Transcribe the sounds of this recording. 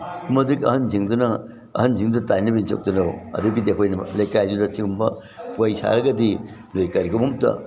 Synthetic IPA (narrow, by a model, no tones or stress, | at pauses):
mɐdikɐ̰hɐnziŋdunɐ | ɐ̰hɐnziŋdudɐtajnɐbinso̰k̚tunɐwɐ̰dukidiɐkʰojnɐlɐjkajzudɐsiŋɡumbɐ | pojsa̰ɾɐɡɐdi | lojkɐɾikʰomumtɐ̰